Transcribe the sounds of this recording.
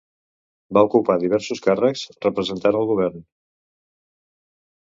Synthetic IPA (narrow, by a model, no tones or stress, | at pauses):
baukupaðiβ̞ɛɾsuskarəkzrəpɾəzənt̪anəlˠɣuβ̞ɛɾn